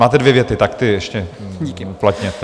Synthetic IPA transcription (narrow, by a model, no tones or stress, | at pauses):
maːt̪ɛdvjɛvjɛt̪ɪt̪akt̪ɪɛʃcɛ | iuplat̪ɲɛt̪ɛ